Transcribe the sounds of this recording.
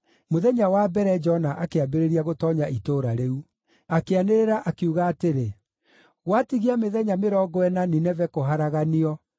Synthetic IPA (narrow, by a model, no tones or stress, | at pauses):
moðɛɲawabɛɾɛd͡ʒɔnaʔakeabeɾeɾiaɣotɔːɲaitoɾaɾeu | akeaneɾeɾaʔakiuɣaːteɾe | ɣwatiɣiameðɛɲameɾɔɡɔɛnaninɛvɛkoɦaɾaɣaniɔ